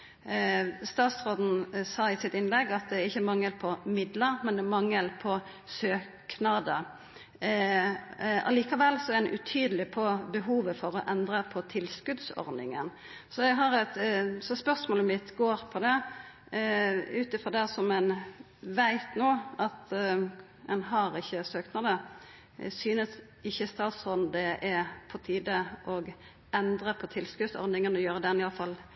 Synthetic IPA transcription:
st̪ɑːt̪sɾoːd̪n̩sɑːɪsɪt̪ɪnlɛɡːɑt̪̚d̪ɛæɾɪçːəmɑŋːəlpʰɔmɪd̪ləɾmɛnd̪ɛmɑŋːəlpʰɔ | søːknɑd̪ə | ɑ̰liːkɑʋɛlsɔɛɾɛɛʔʉt̪ʰyːd̪əlɪpʰɔbəɦuːʋəfɔɾɔʔɛnd̪ɾəpʰɔt̪ʰɪlskʉd̪sɔ̰ɾnɪ̰ŋə̰n | sɔɛɡɦɑɾɛt̪sɔspœʁsmoːləmɪt̪ɡoːɾpʰɔd̪ɛ | ʉːt̪ɪfʁɔd̪ɛsɔmæn | ʋæɪt̪noːɑt̪ | ɛnɦɑɾɪçːəsøːk̪nɑd̪ə | syːnəs | ɪçːəst̪ɑːt̪sɔd̪ɛʔɛpʰɔt̪ʰiːd̪əʔɔɡ | ɛnd̪ɾəpʰɔt̪ʰɪlskʉd̪sɔ̰ɾnɪŋənɔjøːɾəd̪ɛnɪjɑləfɑl

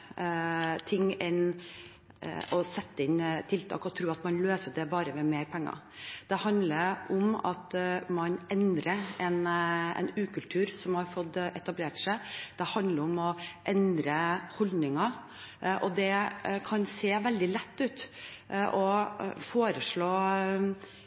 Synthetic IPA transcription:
t̪ʰɪŋːɛn | ɔsɛt̪ːəɪnːt̪ʰɪlt̪ʰɑ̰ːkɔt̪ʰɾʉːɑt̪mɑnløːsəɖɛbɑːɾəmɛmeːɾpʰɛŋːɑ̰ | d̪̥ɛhɑnd̪ləɾʔɔmɑ̰t̪mɑnɛnd̪ɾəɛnɛ̰nʉːkʰʉlt̪ʰʉːɾsɔmhɑɾfɔt̪ːʔɛt̪ɑbleːʈsæɪd̪̥ɛhɑnd̪ləɾɔmɔʔɛnd̪ɾəhɔld̪nɪŋɑ | ʔɔd̪ɛkʰɑnseːʋɛld̪ɪlɛt̪ːʉːt̪ʔɔfoːɾəʂɭoː

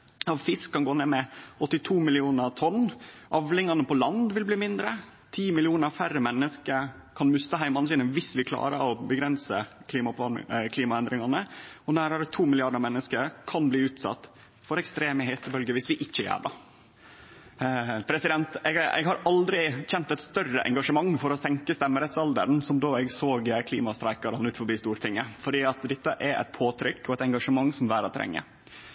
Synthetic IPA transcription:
ɑʋfɪskʰːɑnɡoːnemɛɔt̪ːɪt̪ʰuːmɪlɪuːnəɾt̪ʰɔnːʔɑʋlɪŋɑnəpɔlɑnd̪ʋɪlbliːmɪnd̪ɾə | t̪ʰiːmɪlɪuːnəɾfæɾəmɛnːəskəɾ | kʰɑnmʉst̪əɦæɪmɑn̩siːnəʋɪsʋɪkʰlɑ̰ːɾəɾɔbəɡɾɛnsəkʰliːmɑpɑ̰kʰliːmɑɛnd̪ɾɪŋɑnəɔnæːɾɑɾɛt̪ʰuːmɪlɪɑɖəɾmɛnːəskəɾkʰɑnbliːʉːt̪sɑ̰t̪ː | fɔɾɛkst̪ɾeːməheːt̪əbœlɡəʋɪsʋɪʔɪçːəjæ̰ːɖɑ | pʰɾɛsɪd̪ɛnt̪ɛɛ̰ɡɦɑɾʔɑld̪ɾɪçɛnt̪ɛɪt̪st̪œrəʔɛ̰ŋɡɑʂəmɑŋːfɔɾɔsɛŋkəst̪ɛmːəɾɛt̪sɑld̪ə̰ɾnsɔmd̪oːɛɡsoːɡkʰlḭːmɑst̪ɾæɪkɑɾɑnʉːt̪fɔɾbiːst̪uːɾʈ̪ʰɪŋːəfɔɖiːɑt̪d̪ɛt̪ːəʔæɾɛ̰t̪̚pʰoːt̪ʰɾʏkːɔɛt̪ɛŋɡɑʂəmɑŋːsɔmʋæːɾɔt̪ʰɾɛ̰ŋːə̰

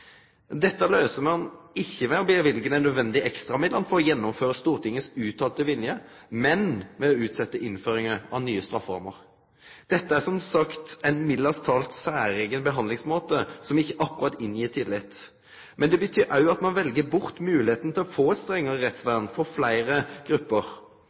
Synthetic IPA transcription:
d̪ɛt̪ːəløːsəmɑnɪçːəmɛɔbeːʋɪlɡənæɪnœd̪ʋɛnd̪ɪʔɛkst̪ʁɑmɪd̪ɑnfɔɾɔjɛnːɔmføːɾəst̪uːʁt̪ʰɪŋːəsʉːt̪ʰɑːlt̪əʋɪljə | mɛnmɛɔʉːt̪sɛt̪ːəʔɪnføːɾɪŋəɑ̰ʋnyːəst̪ɾɑfɑ̰ɾməʁ | d̪̥ɛt̪ːəæsɔmsɑkt̪æɪnmɪd̪ɑst̪ʰɑːlt̪sæːɾeːɡənbəɦɑnd̪lɪŋsmoːt̪əsɔmɪçːəʔɑkːʉʁɑt̪ːɪnjiːt̪ʰɪlːɪt̪ː | mɛnd̪ɛbət̪ʰyːɾʔɑʉɑt̪mɑnʋɛlɡəbʊʁt̪mʉːlɪheːt̪ən̩t̪ʰɪlɔfoːɛt̪st̪ʁɛŋːəʁəʁɛt̪sʋæʁnfɔʁflæɪʁəɡ̥ɾʉpːəʁ

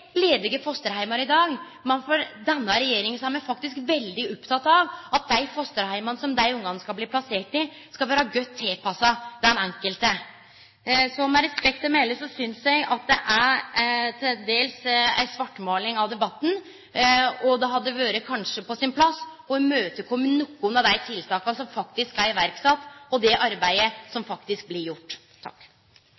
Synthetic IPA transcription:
leːd̪ɪɡəfɔst̪əɾhæɪmɑɾɪd̪ɑːɡ | mɛnfɔɾd̪ɛnːəɾɛjeːɾɪŋənsæɾmæɪfɑk̚t̪ɪskʋɛld̪ɪɔpt̪ʰɑt̪ːɑʋɑt̪̚d̪æɪfɔst̪əɾhæɪmɑnəsɔmd̪æɪʊŋːɡɑŋskɑbliːpʰlɑseːʈɪ | skɑlʋæːɾəɡœt̪ʰːɪlpʰɑsɑd̪̥ɛnɛŋkəlt̪ə | sɔmɛɾɛspɛk̚t̪ɔmæɪləsɔsʏnsjæɡɑt̪̚d̪ɛʔæɾt̪ʰɪd̪eːlsæ̰ɪsʋɑʈːmoːlɪŋɑʋd̪ɛbɑt̪ːn̩ | ɔd̪ɛɦɑd̪əʋøːɾəkʰɑnʂəpɔsɪnpʰlɑsː | ɔɛmøːt̪əkʰɔmːənːʊkːʊnəd̪æɪt̪ʰɪlt̪ʰɑːkɑnsɔmfɑk̚t̪ɪskæɾɪʋæɾksɑt̪ːɔd̪ɛʔɑɾbæɪəsɔmfɑkt̪ɪsk̚blɪɾjʊʈ̪ːʰ | ɑ̰kː

